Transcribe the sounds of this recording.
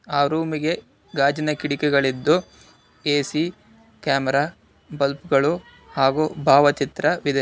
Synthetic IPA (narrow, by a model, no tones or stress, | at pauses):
aːɾuːmiɡe̞ | ɡaːd͡ʒɐnɐkiɽikɛɡɐɭid̪ːu | eːsi | kaːmɛɾaː | bɐlpɡɐɭu | haːɡubʱaːʋɐt͡ʃit̪ɾɐʋid̪ɐ